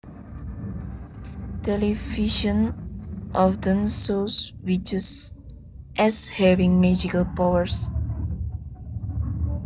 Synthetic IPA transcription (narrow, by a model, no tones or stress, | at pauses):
tɛliviʃə̃nʔɔfdə̃nsoswit͡ʃəs | ʔɛshɛvĩŋmɛd͡ʒikəlpawəs